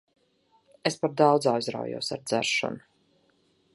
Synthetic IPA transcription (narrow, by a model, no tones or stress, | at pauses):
espaɾd̪awd̪zajzɾa̰wjṵːsa̰ɾd̪zæɾʃɔ̰nu